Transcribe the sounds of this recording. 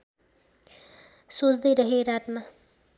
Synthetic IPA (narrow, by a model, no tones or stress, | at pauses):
sot͡sd̪ʌjɾʌɦeɾat̪ma